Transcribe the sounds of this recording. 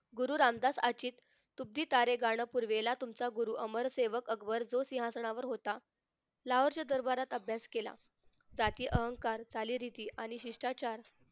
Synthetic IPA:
ɡuɾuːɾamd̪asat͡ɕiːt̪ː | ub̚d̪iːt̪aɾeɡaɽ̃əpuɾʋelat̪umt͡saɡuɾuːʔəməɾseʋəkəɡʋəɾd͡zosiɦasɳaʋəɾɦot̪a | laɦəɾt͡ɕad̪əɾbaɾat̪əbʱjaskela̰ | d͡zat̪iːʔəɦəŋkaɾt͡saliːɾit̪iːʔaɽ̃iɕiʂʈat͡ɕaɾ

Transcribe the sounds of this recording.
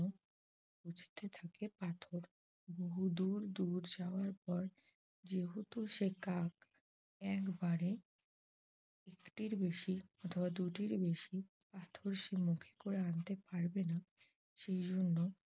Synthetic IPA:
o | bud͡ʑt̪et̪ʰakepat̪ʰoɾ | boɦud̪uɾd̪uɾd͡ʑaoaɾpɔɾ | d͡ʑeɦut̪uʃekak | ɛkbaɾe | ekʈiɾbeʃiɔt̪ʰobad̪uʈiɾbeʃi | pat̪ʰoɾʃemukʰe̥koɾeant̪epaɾbena | ʃejd͡ʑonːo

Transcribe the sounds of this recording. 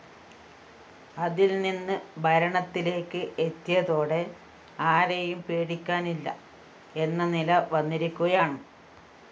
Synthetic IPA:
ɐðilninːɨbʱɐɾɐɳɐt̪ːile̞ːkːɨʔet̪ːijɐðo̞ːɽe̞ | aːɾejumpeːɽikʲːaːnilːɐ̰ | e̞nːɐnilɐʋɐnːiɾukʲːuɣɐjaːɳɨ

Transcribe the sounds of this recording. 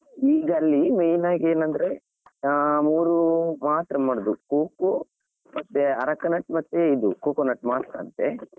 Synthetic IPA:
iːɡɐlːimejnaːɡeːnɐnd̪ɐɾe̞ | muːɾumaːt̪ɾɐmɐːɽɐd̪ukoːko | mɐt̪ːeɐɾɐkːɐnɐʈmɐt̪ːeid̪ukoːkonɐʈmaːt̪ɾɐɐ̰nt̪ḛ

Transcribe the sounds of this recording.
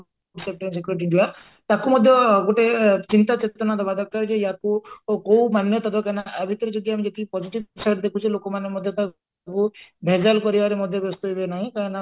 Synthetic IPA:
uʈsep̚ʈɔɾens̬ekjuɾiʈ̬iʈiba | t̪akumɔd̪ʱjɔɡoʈet͡ʃint̪at͡ʃet̪ɔnad̪abad̪ʱɔk̚kːaɾd͡ʒejakukow̃manjɔt̪ad̪ɔkanaʔːbʱit̪ɔɾed͡ʒɔɡ̪iamid͡ʒɔt̪ipɔd͡ʒiʈit̚saʈd̪ekʰut͡ʃʰilokɔmanjmɔd̪ʱjɔt̪a | kubʱed͡ʒalkɔɾibaɾemɔd̪ʱjɔbɔst̪ɔɦibenaɦĩkaɾɔna

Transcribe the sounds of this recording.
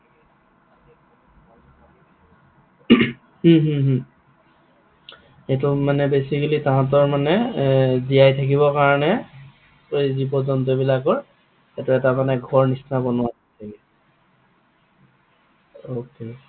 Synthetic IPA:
h̩ɦuɦ | etʊmanɛbesikəlitãɦãt̬ɔɹmanɛzijajtʰak̬iβɔkaɹɔnɛ | ojzibɔdɔntobilakɔɹ | ɛtʊɛtamanɛɡʱɔɹnisnabɔnʊaɔtʰaki | oke

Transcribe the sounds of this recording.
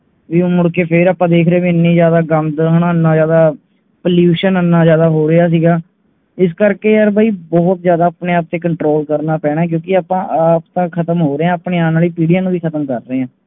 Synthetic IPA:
ʋiːmʊɽkeːpʰɪɾaːpãːd̪eːkʰɾeẽːbiːɪnːĩːzjaːd̪aːɡəmd̪ɦnãːənːaːzjaːd̪aː | pəljuːʃənənːaːzjaːd̪aːɦoːɾəaːs̬iːɡaː | ɪs̬kəɾkeːjaɾbʱaːiːbɔːt̪zjaːd̪aːpneːaːp̚t̪eːkəɳʈɾoːlkəɾnaːpɛːɽ̃ãːk̬jõːkɪaːpãːʔaːpt̪ãːkʰət̪əmɦoːɾeãːəpɳeːaːnaːliːpiːɖijaːnũːʋiːkʰət̪əmkəɾːeːãː

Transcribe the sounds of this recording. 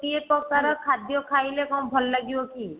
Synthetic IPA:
iepɾɔkaɾɔkʰad̪jɔkʰajlekɔw̃bʱɔlɔːaɡibɔki

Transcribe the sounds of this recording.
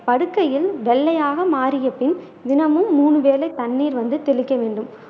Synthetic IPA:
pɐɽɯkːɐjɪlʋɛɭːɐjaːɣɐmaːɾɪjɐpɪn | d̪ɪnɐmɯmːuːɳɯʋeːlɐɪt̪ːɐnːiːɾʋɐnd̪ɯt̪ɛlɯkːɐʋeːɳɖɯm

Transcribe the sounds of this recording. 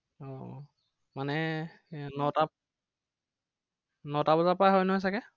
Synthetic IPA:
ɔ | manɛ | nɔta | nɔtabɔzapajɦɔjnɔɦɔjs̬akɛ

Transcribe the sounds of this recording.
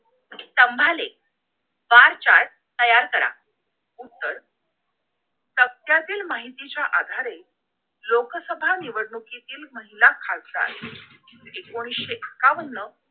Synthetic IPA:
t̪əmbʱalek̚ | baɾt͡ɕaɾ | t̪əjaɾkəɾa̰ | ut̪ːəɾ | t̪ək̚t̪jat̪iːlmaɦit̪it͡ɕjaʔad̪ʱaɾe | lokəsəbʱaniʋəɽɳukit̪iːlməɦilakʰalt̪a̰t̪ | ɦekoɽ̃iɕeʔəkaʋənːə

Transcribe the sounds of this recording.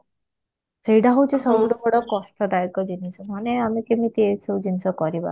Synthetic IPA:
sejʈaɦowt͡ʃʰisɔbuɖɔkɔɽɔkɔst̪ʰɔd̪ajkɔd͡ʒinisɔmaneamikemit̪iesʰɔwd͡ʒinisɔkɔɾiba̰

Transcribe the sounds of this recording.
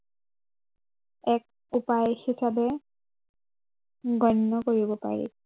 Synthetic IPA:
ɛk̚ | upajhisabe | ɡɔnːɔkoɹibɔpa̰ɹḭ

